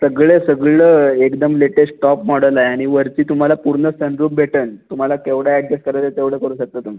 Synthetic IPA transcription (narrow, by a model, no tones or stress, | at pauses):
səɡɭesəɡɭəekd̪əmleʈesʈʈɔpmɔɽəlaeaɽ̃iʋəɾt͡ɕiːt̪um̤alapuɾɳəsənɾuːpbʱeʈənt̪um̤alakeʋɽaɛɖɾeskəɾajt̪ət̪eʋɽ̤əkəɾuːɕək̚t̪ət̪um̤i